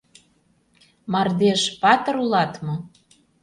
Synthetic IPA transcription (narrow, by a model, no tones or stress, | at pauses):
mɑrd̪eʃpɑt̪ɤɾulɑt̪mɤ̆